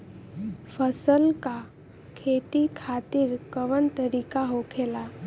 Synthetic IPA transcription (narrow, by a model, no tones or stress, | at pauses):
fəsəlka | kʰet̪ikʰat̪iːɾkəʋənt̪əɾikaɦokʰela